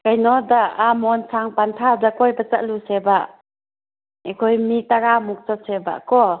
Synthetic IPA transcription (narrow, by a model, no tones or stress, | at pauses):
kajnɔdaːmɔnsʰaŋpantʰadakɔjbat͡ʃa̰ʔluseba | ekʰɔjmitaɾamuk̚t͡ʃɔseba̰ʔkɔ